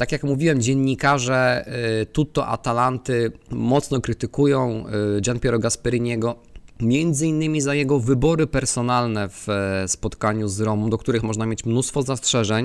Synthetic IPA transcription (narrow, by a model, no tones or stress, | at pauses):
t̪akʲjakmuvʲiwɛmd͡ʑɛnːikaʐɛt̪ut̪ɔʔa̰t̪alant̪ɘmɔt̪snɔkɾɘt̪ɘkujɔ̃w̃d͡ʑanpʲjɛɾɔɡaspɛɾɘɲɛɡɔ | mʲjɛnd̪zɘinːɘmʲizajɛɡɔvɘbɔɾɘpɛɾsɔnalnɛfspɔt̪kaɲuzɾɔmɔmd̪ɔk̚t̪uɾɘxmɔʐnamʲjet͡ɕmnust̪fɔzastʂɛʐɛɲ